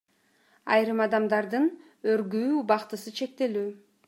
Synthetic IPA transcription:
ɑjɾɯmɑd̪ɑmd̪ɑɾd̪ɯn | øɾɡyːbɑqt̪ɯsɯt͡ʃʰe̞k̚t̪e̞lyː

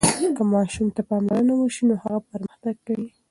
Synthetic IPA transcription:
kəmɑʃumt̪apɑmlaɾənawəʃinohaɣapəɾmaxt̪aɡkawi

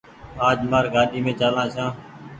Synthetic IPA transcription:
aːd͡ʒmaːɾɡaːɗiːmẽːt͡ʃaːlãːsãː

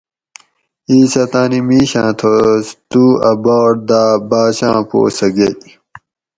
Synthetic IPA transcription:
iːsɐt̪aːnimiːɕãːt̪ʰot̪uːɐbaːʈ̚d̪aːbaːɕã̰ːpo̰ːsɐɡe

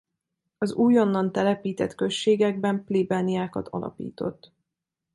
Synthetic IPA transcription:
ɒzuːjo̞nːɒnt̪ɛlɛpiːt̪ɛt̪kø̞ʃːeːɡɛɡ̚bɛmplibaːniaːkɒt̪ʰɒ̰lʔɒ̰pḭːt̪o̞t̪ː

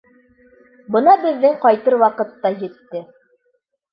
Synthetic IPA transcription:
bɤ̆nɑbɘ̆ðːɘŋqɑjt̪ɤɾwɑqɤ̆t̪ːɑjɘ̆t̪ːɘ

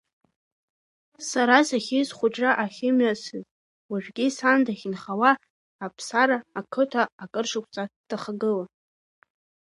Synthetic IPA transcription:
saɾasaχʲizχʷʊʈ͡ʂʼraʔaχʲɪmasɨz | waʒᶣɡʲisandaχʲɪnχawaː | pʰsaɾaːkʰɨtʰaːkʼɨrʂakʷʰʼt͡sʼatʰaχaɡɨla

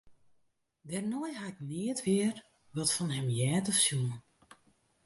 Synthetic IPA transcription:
dɛrnɔjhaɪk̚nɪətʋɪər | ʋɔtfɔnɦɛmjɛːtɔfsjuən

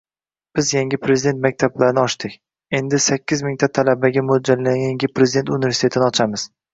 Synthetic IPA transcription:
b̥ɪzjaŋɡʲɪpʰɾe̞zɪd̪e̞nt̪̚mak̚ʲt̪ʰablaɾɪnɪɒʃt̪ɪkʲ | e̞nd̪ɪsakʲːɪzmɪŋʲt̪ʰat̪ʰalabaɡʲamod͡ʒalːaŋʲaŋɡʲɪpɾe̞zɪd̪e̞nt̪unɪvesit̪ʰe̞t̪ʰɪnɪɒt͡ʃʰamɪz̥

